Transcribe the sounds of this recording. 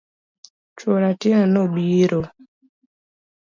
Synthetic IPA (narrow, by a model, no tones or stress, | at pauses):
t͡ʃwoɾatinanobiɾo